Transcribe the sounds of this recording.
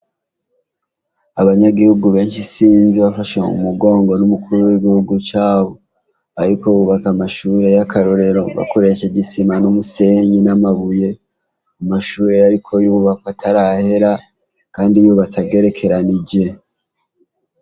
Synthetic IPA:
aβaɲaɡihuɡuβe̞ːnʃisiːnziβafaʃeṵmuɡo̞ːŋɡo̞numukuɾuwiɡihuɡut͡ʃaːβo̞ | aɾiko̞juβakamaʃuːɾe̞jakʰaɾo̞ɾe̞ɾo̞βa̰ko̞ɾe̞ʃeɟisimanumuse̞ɲinamaβuje̞ | amaʃuːɾe̞jaɾikʰo̞juːβakwatʰaɾahe̞ɾa | kaːndijoβatʰaɡe̞ɾe̞kʰe̞ɾanid͡ʒe̞

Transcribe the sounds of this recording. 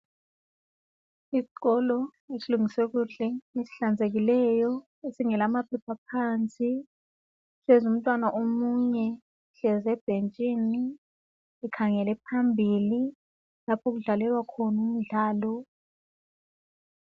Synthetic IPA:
isi̥k̬ʼɔlɔesiluŋiswɛk̬uɮɛnesi̥ɬand͡zʱek̬ilɛjɔ | esiŋɛlamapʰɛpʰapʰant͡sʼi | sɛzum̩tʼwanaʔomuɲɛ | ɬɛzɛb̥ʱent͡ʃʼini | ɛkʰaŋɛlɛpʰambʱili | lapʰok̬uɮalɛlwakʰɔnum̩ɮaːlɔ

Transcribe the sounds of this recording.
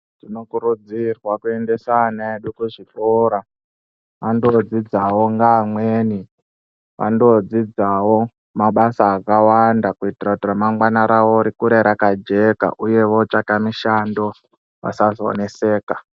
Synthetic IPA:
tino̞kuɾud͡zirwakue̞nde̞sanaeɗukuʐikoɾa | ʋandod͡zid͡zawo̞ŋɡaːmweːni | ʋa̰ndo̞d͡zid͡zawo̞ | maɓasaːkawandakuitirakutiramamɡwanaɾawoɾikuɾeɾakad͡ʒe̞ka̰ʔuje̞ʋo̞t͡ʃakamiʃando̞ | ʋa̰sazoo̰ne̞se̞ːka

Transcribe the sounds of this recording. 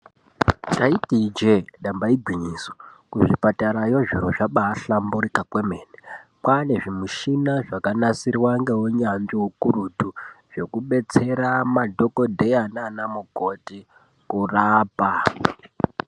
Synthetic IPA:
taitid͡ʒeɗambaiɡʱwiɲiːso̥kuʐipataɾajoʐiroʐaɓaːɬambuɾikakwe̞meːnekwane̞ʐimuʃinaʐakanasirwaŋɡe̞woɲand͡ʒiwokurutuʐ̥o̞kuɓe̞t͡se̞ɾamadʱoko̞dʱe̞jananamukoti | kuraːpa

